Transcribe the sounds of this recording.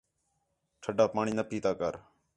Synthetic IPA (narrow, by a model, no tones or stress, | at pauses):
ʈʰəɖaːpaːɳiːnəpiːt̪aːkəɾ